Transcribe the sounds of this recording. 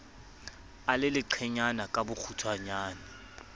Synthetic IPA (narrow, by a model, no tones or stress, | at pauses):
alɪlɪǃʰɛɲanakʼabʊk͡xʰutʰwaɲaːna